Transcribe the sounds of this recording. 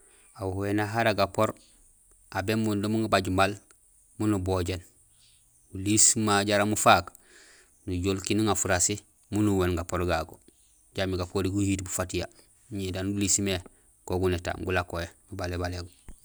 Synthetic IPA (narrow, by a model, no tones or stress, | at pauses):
awhoenaɦaɾaɡapoɾ | abemundomuŋɡabaɟmal | munuboɟen | ulismaɟaɾamufak | nuɟolkiniŋafuɾasi | munuwenɡapoɾɡaɡo | ɟamiɡapoɾiɡuhiːtbufatija | ɲedanulisme | koɡuneta̰ɡulakojemubalebaleɡu